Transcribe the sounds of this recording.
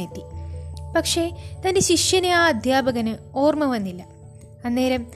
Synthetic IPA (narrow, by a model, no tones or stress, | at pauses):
et̪ːipɐkʂe̞t̪ɐndeɕiʂjɐneaːɐd̪ʱjaːbɐɣɐnɨo̞ːrmɐʋɐnːilːɐ | ɐnːeːɾɐm